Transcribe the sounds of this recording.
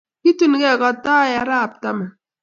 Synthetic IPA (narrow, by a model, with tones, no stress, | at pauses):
ki˦tu˦n˨ɡɛ˦˨ka˨ta˦ja˨ɾa˦a˨p̚ta˦ma˨